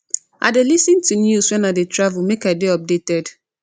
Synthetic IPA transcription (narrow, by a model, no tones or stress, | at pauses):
a̰delisɪ̃ntunjuswɛ̃naɪdetʰɹavulmekaɪdeɔp̚detɛd